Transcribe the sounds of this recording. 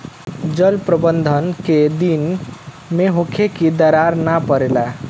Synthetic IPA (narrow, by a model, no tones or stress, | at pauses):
d͡ʒəlpɾəbənd̪ʱənked̪in | meɦokʰekid̪əɾaɾnapəɾela